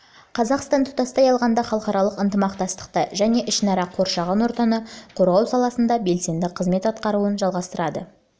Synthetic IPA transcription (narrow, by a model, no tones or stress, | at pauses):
qʰɑzɑqst̪ɑnt̪ʰʊ̥t̪ɑst̪ɑjɑlˠʁɑnd̪ɑχɑlˠəqɑɾɑlˠəqənt̪əmɑq̚t̪ɑst̪ə̥qt̪əʒæne̞ʔɪʃnɑɾɑqʰo̞ɾʃɑʁɑnwo̞ɾt̪ɑnəqʰo̞ɾʁɑwsɑlˠɑsənd̪ɑbe̞lse̞nd̪ɪqʰːəzme̞t̪ɑt̪qɑɾuənʒɑlˠʁɑst̪əɾɑd̪ə